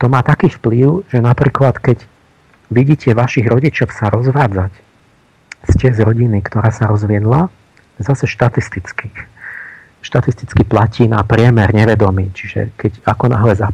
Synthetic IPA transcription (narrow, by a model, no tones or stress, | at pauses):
t̪ɔmaːt̪akiːfpliʊʒ̥ɛnapɾiːklat̪kɛɟ | ʋiɟiːcɛʋaʃiɣɾɔɟit͡ʃɔʊsaɾɔzʋaːd͡zac | scɪɛzɾɔɟinikt̪ɔɾaːsaɾɔzʋɪɛd̪la | zasɛʃt̪at̪ist̪it͡ski | ʃt̪at̪ist̪it͡skiplaciːnapɾɪɛmɛɾɲɛʋɛd̪ɔmiːt͡ʃiʒɛ̰kɛɟakɔna̰ɦlɛza